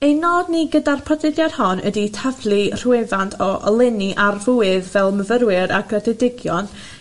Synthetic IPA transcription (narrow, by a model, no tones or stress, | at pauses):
ejnɔːdniɡədarpʰɔdɪdjad̥hɔnʔə̰ditʰavlˠir̥uɛvantʰɔʔɔ̰lˠɛniʔarvuɨðvɛlˠməvəɾwɪɾaɡrɛdɛdɪɡjɔn